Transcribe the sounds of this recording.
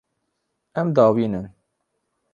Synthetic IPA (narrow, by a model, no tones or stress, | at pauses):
ɛmd̪ɑːwiːnɨn